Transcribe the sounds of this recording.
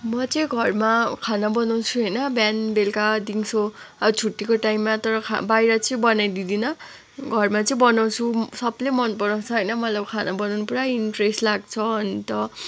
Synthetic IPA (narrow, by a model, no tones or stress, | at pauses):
mʌt͡sʌj̃ɡʱʌrmakʰanabʌnaw̃t͡sʰuɦʌjnʌbjanbelkad̪iŋsoat͡sʰuʈːikoʈajmːat̪ʌɾʌkʰa̰bajɾʌt͡sʌĩbʌnajd̪id̪inʌ | ɡʱʌrmat͡sʌĩbʌnaw̃t͡sʰusʌblemʌnpʌnaw̃t͡sʰʌɦʌjnʌmʌt̪laʌbkʰanabʌnawnupuɾainʈreslaɡ̚t͡sʰʌɦʌnt̪ʌ